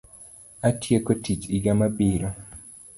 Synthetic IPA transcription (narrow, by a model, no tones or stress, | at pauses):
atjekotit͡ʃiɡamabiɾo